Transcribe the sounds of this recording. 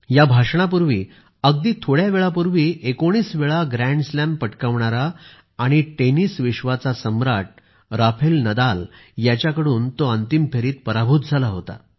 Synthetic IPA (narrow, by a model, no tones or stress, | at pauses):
jabʱaʂɳap̬uɾʋiː | əɡd̪iːt̪ʰoɽjaʋeɭapuɾʋiːʔekoɽ̃iːsʋeɭaɡɾæ̃ɳɖslæ̃mpəʈkaʋɳaɾaː | ɽ̃iʈeniːsʋiɕʋat͡sasəmɾaʈ̚ | ɾafʰelnəd̪aljat͡ɕjakəɽuːnt̪oənt̪impʰeɾiːt̪̚pəɾabʱuːt̪̚d͡zʱalaɦot̪a̰